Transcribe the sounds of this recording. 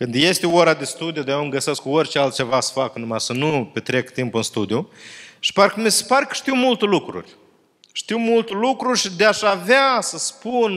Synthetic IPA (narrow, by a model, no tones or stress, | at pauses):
kɨnd̪je̞st̪eoɾad̪est̪ud̪ijod̪ajewməɡəse̞skkuorʲt͡ʃealt̪̚t͡ʃe̞vasə̥faknumasənupet̪ɾe̞kt̪impɨnst̪ud̪ijuʃi̥paɾkəmise̥paɾʲkə̥ʃt̪iwmult̪elukɾṵrʲ | ʃt̪iwmult̪elukɾurʲʃid̪eaʃaveasəspun